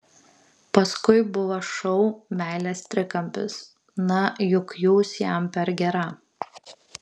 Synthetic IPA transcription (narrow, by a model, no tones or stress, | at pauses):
pɐskʊɪbʊʋɐʃɔʊmʲæˑɪlʲest̪ʲɾʲɪkɐmʲpʲɪs | nɐjʊkjuːsjɛmpʲɛɾɡʲɛɾɐ